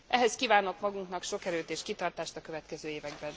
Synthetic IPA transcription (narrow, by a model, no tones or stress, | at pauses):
ʔɛɦɛskiːvaːno̞kmɒɡuŋknɒkʃo̞kɛɾøːt̪eːʃkit̪ɒrt̪aːʃt̪ɒkø̞vɛt̪kɛzøːeːvɛɡbɛn